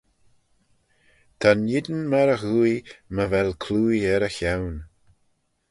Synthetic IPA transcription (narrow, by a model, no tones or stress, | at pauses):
t̪ʰanjɪd̪ənmaɾəɦuːjməvɛlkʰluːjɛɾəçawn